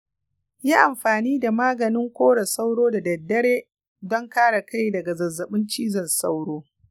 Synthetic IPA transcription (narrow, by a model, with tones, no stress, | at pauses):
jiː˦ʔa˨mɸaː˨niː˦da˨maː˦ɡɐ˨nɪ˦ŋkʷoː˦ɽɐ˨sa˦wɽoː˦da˨dɐ˨dːɐ˦ɽeː˦ | dɔ˦ŋkaː˦ɽa˨ka˦jdɐ˨ɡa˨zɐ˨zːɐ˨ɓɪ˦nt͡ʃiː˦zɐ˨nsa˦wɽoː˦